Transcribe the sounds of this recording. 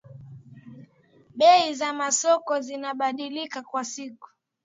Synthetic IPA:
ɓɛizamasɔkɔzinaɓaɗilikakwasiku̥

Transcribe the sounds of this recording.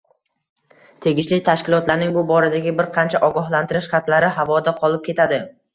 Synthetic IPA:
t̪ʰe̞ɡʲɪʃlɪt̪ʰaʃkʲɪlˠɒt̪laɾnɪŋbʊbɒɾad̪aɡʲɪbɪɾqʰɑnt͡ʃʰaʔɒɡɒɦlant̪ɪɾɪʃχɑt̪laɾɪɦavɒd̪aqʰɒlˠɪp̚kʰʲe̞t̪ʰad̪ɪ

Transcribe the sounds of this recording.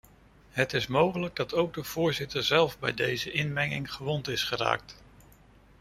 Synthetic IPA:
ɦətɪsmowχələɡ̚dɑtowɡ̚dəv̥ʊːɹzɪtəɹzɛlˠvbɛ̰jdejzəʔɪnmɛŋɪ̰ŋχəʋɔntɪsχəra̰ːk̚t

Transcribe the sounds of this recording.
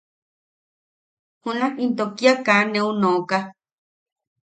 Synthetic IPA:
hũnãint̪okiakanẽũnõka

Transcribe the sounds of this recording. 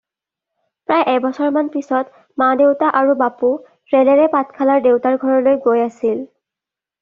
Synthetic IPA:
pɹajʔɛbɔsɔɹmanpisɔt | madewtaʔaɹubapu | ɹɛlɛɹɛpatkʰalaɹdewtaɹɡʱɔɹɔlojɡojasil

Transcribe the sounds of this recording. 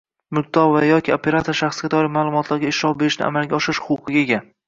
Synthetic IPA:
mʊk̚t̪ɒvajɒkʲiopʰʲe̞ɾat̪ʰoɾʃaχsɡʲat̪ʰɒɾɪmaːlˠʊmɒt̪laɾɡʲaɪʃɾɒpbe̞ɾɪʃnɪ̰a̰malɡʲaɒʃɪɾɪʃhʊqʰqʰɨɡʲaeɡʲa

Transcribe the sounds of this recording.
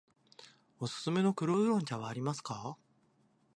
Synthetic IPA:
o̞sɨ̥sɨme̞no̞kɯ̟ɾoɯ̟ɾõ̞ɲ̟t͡ɕaβaːɾʲimasɨ̥ka

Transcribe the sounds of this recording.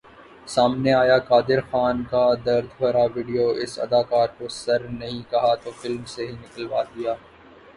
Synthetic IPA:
saːmneaːjakaːd̪ɪɾxaːnkad̪ɐɾd̪ʱbɐɾaʋiːɖijoʔɪsɐ̰d̪aːkaːɾkosɐɾnɐɦĩkɐɦat̪ofɪlmseɦinɪkəlʋaːd̪ijaː

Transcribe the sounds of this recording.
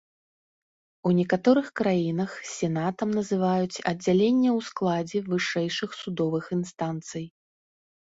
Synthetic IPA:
unʲɛkat̪ɔɾɨxkɾajinɐxsʲɛnat̪ɐmnɐzɨvajut͡sʲɐd͡zʲalʲenʲːɛwsklˠad͡zʲɛvɨʂɛjʂɨxsud̪ɔvɨxinst̪ant̪sɨj

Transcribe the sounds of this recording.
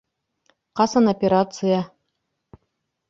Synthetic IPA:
qɑsɑnopʲeɾat̪sɨja

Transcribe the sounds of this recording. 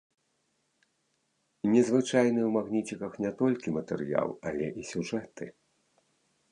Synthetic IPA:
nʲɛzvɨt͡ʂajnɨwmaɣnʲit͡sʲikɐxnʲɛt̪ɔlʲkʲimɐt̪ɛrja̰lˠɐlʲɛʔisʲuʐɛt̪ɨ

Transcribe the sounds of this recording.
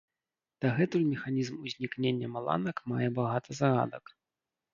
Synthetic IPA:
d̪̥ɐɣɛt̪ulʲmʲɛxanʲizmuzʲnʲiknʲenʲːɐmalˠa̰nɐkmajɛbaɣat̪ʰɐzaɣa̰d̪ɐk

